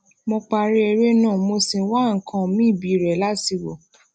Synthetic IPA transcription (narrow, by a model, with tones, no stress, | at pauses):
mõ˧k͡pa˧ɾe˦ɛ˧ɾe˦nãː˦˨mo˧si˧wa˦˨ŋ̩˨kʰã˧mĩ˦˨bi˨˦˨ɾɛ˨la˦si˧˨wɔ̰˨